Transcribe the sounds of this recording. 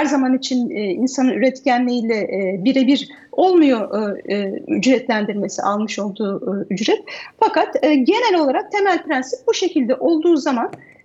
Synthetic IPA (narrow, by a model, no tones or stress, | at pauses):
hæɾzamanit͡ʃʰininsanɯnyɾɛt̪cʰænlʲeiːlʲɛbiɾɛbiɾ | o̞lˠmujo̞ʔ | y̰d͡ʒɾɛt̪lʲænd̪iɾme̞sḭʔalˠmɯʃo̞lˠd̪uːyd͡ʒɾɛt̪fakat̪ːɟe̞nælʲo̞lˠaɾak̚t̪ʰe̞mælʲpɾænsip̪̚buʃe̞cʰilʲd̪ɛʔo̞lˠd̪uːzaman